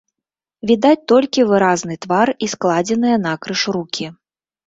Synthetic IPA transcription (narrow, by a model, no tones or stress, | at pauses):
vʲid̪at͡sʲt̪ɔlʲkʲivɨɾazn̪ɨt̪varisklˠad͡zʲɛnɨjɐnakɾɨʂɾukʲi